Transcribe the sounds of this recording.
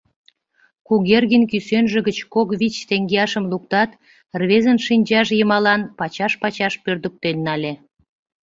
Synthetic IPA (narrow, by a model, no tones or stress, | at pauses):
kuɣerɣinkysønʒĕɣət͡ɕkokβit͡ɕt̪eŋɡeɑʃəmlukt̪ɑt̪ | rβezənʃinʲd͡ʑɑʃjəmɑlɑnpɑt͡ɕɑʃpɑt͡ɕɑʃpørd̪ə̆k̚t̪enːɑlʲe